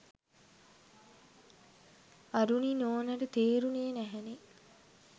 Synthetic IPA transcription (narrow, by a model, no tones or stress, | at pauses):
aɾuninoːnɐɾət̪eːɾunejenæɦɛne